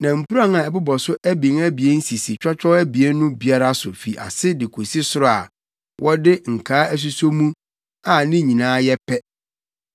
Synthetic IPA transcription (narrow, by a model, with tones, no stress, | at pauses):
nã˨m̩˨pu˦ɾa˦ŋã˨ɛ˨bʊ˦bɔ˨sʊ˦ʔæ˦bĩ˨ŋæ˦bi˨e˦n̩˦si˨si˨t͡ɕᶣɔ˦t͡ɕᶣɔ˦æ˦bi˨e˦nʊ̃˦bi˦a˦ɾa˦sʊ˨fi˨ʔa̰˨sɪ˦dɪ˨kʰo˨si˦sʊ˦ɾʊ˦˨a̰˨ | wʔɔ˦dɪ˦ŋ̩˨kʰaː˨˦æ˦s̬u˦so˦mũ˦ | a˨nɪ̃˦ɲĩ˨nãː˦jɛ˦pʰɛ˦